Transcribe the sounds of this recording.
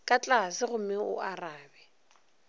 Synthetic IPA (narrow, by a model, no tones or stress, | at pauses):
kʼat͡ɬʼasɪɣʊmɛʊ̰araːbɛ